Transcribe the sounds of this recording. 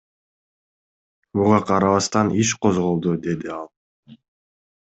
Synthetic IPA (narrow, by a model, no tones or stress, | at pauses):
muʁɑqʰɑɾɑβɑst̪ɑnʔiʃqo̞zʁo̞lˠd̪ud̪e̞d̪iɑlˠ